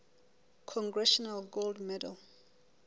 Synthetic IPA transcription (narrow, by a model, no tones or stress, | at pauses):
kʰɔ̃ŋɡɹɛʃɔnalɡoldmɛda̰l